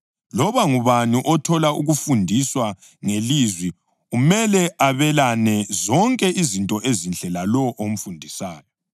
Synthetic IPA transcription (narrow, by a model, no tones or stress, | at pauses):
lɔβaŋuβanuʔɔtʰɔlaṵɣufundʱiswa | ŋelizwi | ɣumɛlɛaβɛlanɛzɔŋkʼɛʔizintʼɔʔezinɬʼɛlalɔʔom̩fundʱisaːjɔ